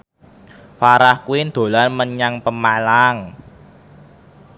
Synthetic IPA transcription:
faɾahkuind̪̥o̤lanməɲaŋpəmalaŋ

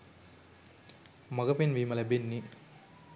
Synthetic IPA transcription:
mɐɡɐpinʋiːmɐlɐbinːi

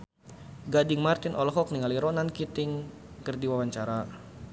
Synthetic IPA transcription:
ɡadɪŋmart̪inʔɔlɔɦɔk̚niŋaliɾɔnankit̪ɪŋ | kərdiwawaɲt͡ʃaɾa

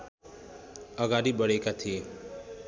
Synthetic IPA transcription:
ʌɡaɾibʌɽekat̪ʰie

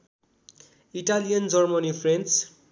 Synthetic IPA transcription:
iʈalijʌnd͡zʌrmʌnipʰrent͡s

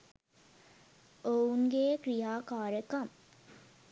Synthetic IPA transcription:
ouŋɡeːkɾijaːkaːɾəkɐm

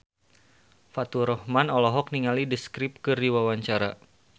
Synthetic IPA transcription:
fat̪uɾɔhmanɔlɔɦɔk̚niŋalidiskɾip̚kɨrdiwawaɲt͡ʃaɾa

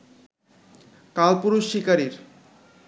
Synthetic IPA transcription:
kalpuɾuʃːikaɾiɾ

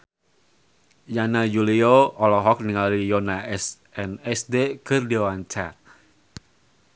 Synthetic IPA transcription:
janajulioɔlɔɦɔk̚niŋalijɔnaɛs | ɛnɛsdekɨrdewant͡ʃa

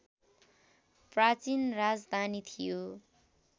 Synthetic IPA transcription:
prat͡sinrad͡zd̪ʱanit̪ʰijo

